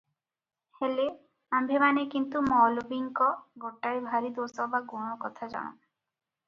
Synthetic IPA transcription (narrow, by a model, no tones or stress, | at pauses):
hele | ambʱemanekint̪umɔlobiŋkɔɡʱoʈːaɾibʱaɾid̪osɔbaɡoɽ̃ɔkɔt̪ʰad͡ʒa̰ɽ̃o̰